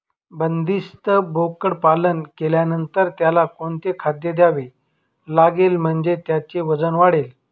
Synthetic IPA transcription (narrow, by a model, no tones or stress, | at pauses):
bənd̪ist̪əbʱokəɽpalənkeljanənt̪əɾt̪jalakoɳt̪ekʰad̪jəd̪jaʋe | laɡelm̤əɳd͡ʑet̪jat͡ɕeʋəd͡zənʋaɽel